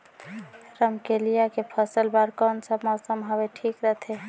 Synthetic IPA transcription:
ɾəmkelijakepʰəsəlbaɾkɔnsəbmɔsəmɦobeʈʰikɾət̪ʰe

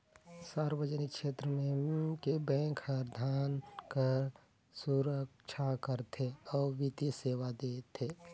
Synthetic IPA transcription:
saːɾwəd͡ʒənɪkʃeːt̪ɾəmẽkebɛ̃ːŋkhəɾd̪ʱaːnkəɾ | suɾəkʃʰakəɾt̪ʰeɔːɾʋit̪iseːwad̪eːt̪ʰeː

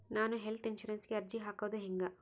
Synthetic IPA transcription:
naːnuɦelt̪inʃɐɾenskiɐɾd͡ʒiɦaːkɐwd̪eɦiŋɡa

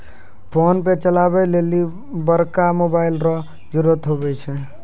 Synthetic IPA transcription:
pʰonpẽt͡ʃəlabɛleli | bəɾkamobailɾɔ | d͡ʒuɾət̪ɦobɛt͡ʃʰɛ

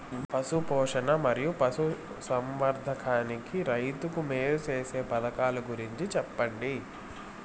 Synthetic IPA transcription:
pɐsupɔːʂɐnɐmɐɾijupɐsu | sɐmʋɐɾd̪ʱɐkʰaːnikiɾɐjt̪ukumeːɾut͡ʃe̞ːse̞ːpɐd̪ɐkaːluɡuɾiɲt͡ʃit͡ʃɛpːɐɳɖi

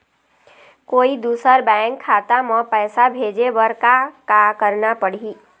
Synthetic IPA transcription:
koːid̪uːsəɾbɛ̃ŋkʰːat̪amɔ̃pɛːsabʱeːd͡ʒebəɾkakakəɾnapəɽ̤i

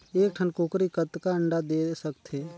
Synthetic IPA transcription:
eːk̚ʈʰənkoːkɾikət̪kaəɳɖad̪eːsəkt̪ʰɦeː

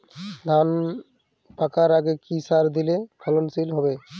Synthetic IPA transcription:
d̪ʱan | pakaɾaɡekisaɾd̪ilekʰɔlonsilɦɔbe

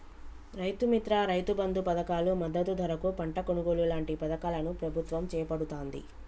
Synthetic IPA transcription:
ɾɐjt̪umit̪ɾaːɾɐjt̪ubɐnd̪upɐd̪ɐkaːlumɐd̪ːɐt̪ud̪ʱɐɾɐkupɐɳʈɐkonuɡo̞ːlulaːɳʈipɐd̪ɐkaːlɐnupɾɐbʱut̪ʋɐmt͡ʃɛːjɐpɐɽut̪oːnd̪ḭ

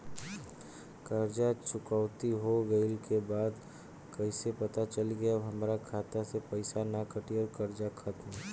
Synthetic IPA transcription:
kəɾd͡ʒat͡ʃʊkawt̪iɦoɡəɪlkebaːd̪ | kəɪsepɐt̪at͡ʃəliɡəjəɦəmɾakʰaːt̪asepəɪsanakəʈiɔːɾkəɾd͡ʒakʰət̪mɛ

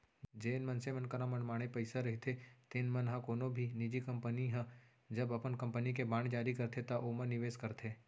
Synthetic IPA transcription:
d͡ʒeːnmɐnsemənkəɾãmɐnmaːɽ̃epɐɪsaɾɐɦit̪ʰet̪ɪnmɐnɦãkoːnõbʱinɪd͡ʒikɐ̃mpəniɦɛ̃ | d͡ʒɐbɐpənkɐ̃mpənikebãːɳd͡ʒaːɾikɐɾt̪ʰet̪ɐʔomənːɪʋeːskɐɾt̪ʰeː

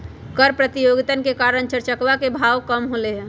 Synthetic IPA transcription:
kəɾpɾət̪ijoɡit̪ənkekaɾəɳt͡ʃəɾt͡ʃəkʋakebʱawkəmɦoleɦɛ̃

